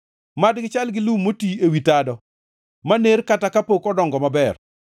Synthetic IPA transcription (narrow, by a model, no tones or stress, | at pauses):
madɡɪt͡ʃalɡɪlumːotiewitadɔ | maneɾkatakapokɔdɔŋɡɔmabɛr